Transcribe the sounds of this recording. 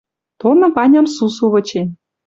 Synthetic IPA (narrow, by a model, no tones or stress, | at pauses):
t̪onɤ̆βɑnʲɑmsus̬uβɤ̆t͡ɕe